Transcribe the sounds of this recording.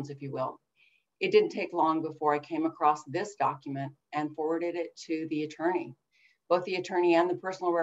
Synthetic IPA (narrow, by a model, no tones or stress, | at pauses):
nzɨfjɨwɪ̰lˠ | ɨt̚d̥ɪdⁿn̩tʰeɪklɔ̃ŋbəfɔɹaɪkʰẽɪ̃məkʰɹ̥ɔsðɪsd̥ɑkjɨmɨ̃nt̚ | ɨ̃nfɔɹwə˞ɾɨɾɪtʰɨðiɨtʰɜ̃˞ni | b̥oʊθðiɨtʰɜ̃˞ñiɨ̃nðəpʰɜ˞sn̩l̩ˠɹɛ